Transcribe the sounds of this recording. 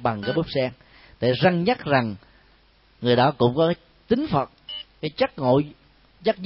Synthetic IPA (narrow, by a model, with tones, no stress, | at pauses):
ɓa˨˩ŋkaː˨˦jɓu˦˥p̚sɛ˧ŋ | t̪ʰḛ˧˨˩za˧ŋɲa˦˥t̚za˨˩ŋ | ŋɨ˨˩əjɗɔ˨˦kʊ̰˧˥ŋ͡mkɔ˨˦˨ | t͡ɕ̪ï˨˦ŋ̟fə˨˩t̚kaː˨˦jt͡ɕə˦˥t̚ŋo̰˧˨ | t͡ɕa˦˥t̚